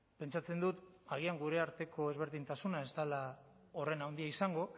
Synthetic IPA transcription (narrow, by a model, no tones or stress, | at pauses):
pe̞nt͡ʃat͡se̞nd̪ut̪aɣ̞iaŋɡuɾe̞aɾt̪e̞kʰo̞e̞zβ̞e̞ɾðint̪asunae̞st̪ala | o̞re̞nawnd̪iaisaŋɡo̞